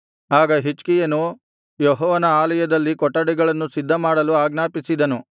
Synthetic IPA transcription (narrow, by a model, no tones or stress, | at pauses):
aːɡɐɦit͡ʃkijɐnu | jɔɦɔːʋɐnɐaːlɐjɐd̪ɐlːikɔʈːɐɽiɡɐɭɐnːusid̪ʱːɐmaːɽɐluaːɡnaːpisid̪ɐnu